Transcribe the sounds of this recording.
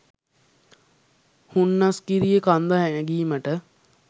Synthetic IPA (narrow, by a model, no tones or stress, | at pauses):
hunːaskiɾijekand̪aɦænəɡiːməʈə